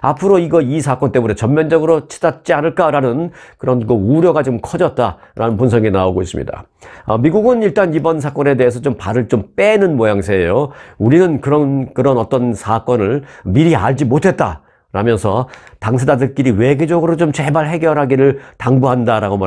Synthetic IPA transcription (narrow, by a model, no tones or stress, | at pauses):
apʰɯɾoiɡʌisʰak͈ʌnt͈e̞mune̞t͡ɕʌmːjʌnd͡ʑʌɡɯɾot͡ɕʰi̥dat̚t͡ɕ͈ianɯɭk͈aɾanɯnkɯɾʌnkɯuɾjʌɡat͡ɕomkʰʌd͡ʑʌt̚t͈aɾanɯnpunsʰʌŋinaoɡois͈ɯ̰mɲḭda̰ | ʌmiɡuɡɯniɭt͈anibʌns̬ʰak͈ʌne̞de̞ɦesʰʌt͡ɕompaɾɯɭt͡ɕomp͈e̞nɯnmʌjaŋsʰejouɾinɯnkɯɾʌnkɯɾʌnʌt͈ʌnsʰak͈ʌnɯɭmiɾia̰ɭd͡ʑimotʰe̞t̚t͈a̰ | ɾamjʌnsʰʌtaŋsʰedadɯɭk͈iɾiwe̞ɡed͡ʑʌɡɯɾot͡ɕomt͡ɕe̞baɭɦe̞ɡjʌɾɦaɡiɾɯɭtaŋbuɦandaɾaɡoma